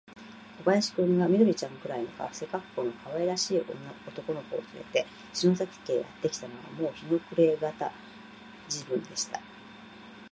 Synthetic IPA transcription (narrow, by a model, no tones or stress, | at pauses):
kobajaɕi̥kɯ̟̃ŋɡamʲid̪oɾʲit͡ɕãŋkɯ̟ɾainoka̰βase̞kakːo̞ːno̞kaβaeɾaɕiːʔoo̞t̪o̞ko̞no̞ko̞̰ːt͡sɨɾe̞̰t̪e̞ | ɕino̞zakʲi̥t̪e̞ːja̰t̪ːe̞kʲi̥t̪ano̞βa̰mo̞ːçino̞kɯ̟ɾe̞ːɡat̪a̰ | d͡ʑibɯ̟̃nd̪e̞ɕi̥t̪a